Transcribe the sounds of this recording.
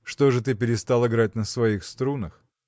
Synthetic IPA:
ʂt̪oʐɨt̪ɨpʲɪɾʲɪst̪alˠɨɡɾat̚ʲnəsvɐixst̪ɾunəx

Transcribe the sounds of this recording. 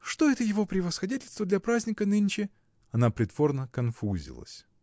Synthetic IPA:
ʂt̪o̞ɛt̪əjɪvo̞pɾʲɪvəsxɐdʲetʲɪlʲst̪vəd̪lʲɐpɾazʲnʲɪkənɨnʲt͡ɕɪ | ɐnapɾʲɪd̪vo̞rnəkɐnfuzʲɪ̰lˠə̰sʲ

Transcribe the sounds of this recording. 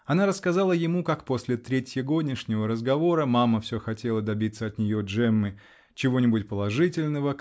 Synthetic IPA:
ɐnaɾəskɐzalˠəjɪmukakposʲlʲɪt̪ɾʲetʲjɪɡo̞d̪ʲnʲɪʂnʲɪvəɾəzɡɐvo̞ɾəmaməfsʲɵxɐtʲe̞lˠəd̪ɐbʲit̪səɐt̪nʲɪjo̞ʐɛmːɨ | t͡ɕɪvo̞nʲɪbʊtʲpəlˠɐʐɨtʲɪlʲnəvə

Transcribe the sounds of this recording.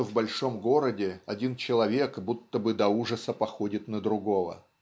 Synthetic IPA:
vbɐlʲʂo̞mɡo̞ɾədʲɪɐdʲint͡ɕɪlˠɐvʲe̞kbut̪ːəbɨd̪ɐuʐəsəpɐxo̞dʲɪt̪nəd̪ɾʊɡo̞və̰

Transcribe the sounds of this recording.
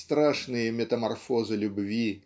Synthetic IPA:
st̪ɾaʂnɨjɐmʲɛt̪ɐmarfɔzɨlʲubvʲi

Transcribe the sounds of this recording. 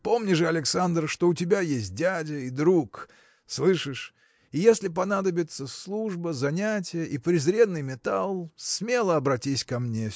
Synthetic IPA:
po̞mnʲɪʐɨɐlʲɪksand̪rʂt̪o̞ʊtʲɪbʲajesʲt̚ʲdʲædʲəid̪ɾuk | slˠɨʂɨʂ | ijesʲlʲɪp̬ɐnad̪əbʲɪt̪səslˠuʐbəzɐnʲætʲɪjəʔipɾʲɪzɾʲe̞nːɨjmʲɪt̪alˠsmʲe̞lˠəɐbɾɐtʲisʲkɐmnʲe

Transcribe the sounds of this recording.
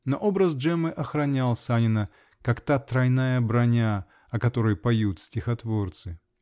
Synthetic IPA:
noʔobɾəzʐɛmɨʔɐxɾɐnʲalˠsʲanʲɪnə | kakt̪at̪ɾɐjnajəbɾɐnʲa | ɐkɐt̪o̞ɾɨjpɐjut̪sʲtʲɪxɐt̪vort̪sɨ

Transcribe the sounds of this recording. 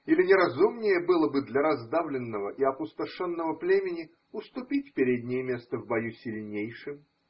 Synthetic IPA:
ilʲɪnʲɪɾɐzumnʲɪjəbɨlˠəbɨd̪lʲɐɾɐzd̪avlʲɪnːəvəʔiɐpʊst̪ɐʂonːəvəplʲemʲɪnʲɪ | ʊst̪ʊpʲitʲpʲɪɾʲedʲnʲɪjəmʲe̞st̪əvbɐjusʲɪlʲnʲejʂɨm

